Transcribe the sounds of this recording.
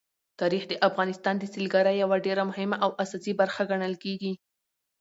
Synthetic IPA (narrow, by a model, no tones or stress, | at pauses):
t̪ɑɾixd̪əʔafɣɑnɪst̪ɑnd̪əsilɡaɾajawaɖeɾamʊɦɪmaʔawʔasɑsibaɾxaɡaɳəlkeɡi